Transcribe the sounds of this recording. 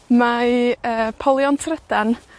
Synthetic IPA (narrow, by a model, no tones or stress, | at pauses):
maəːpʰɔlˠjɔntʰrɛd̥an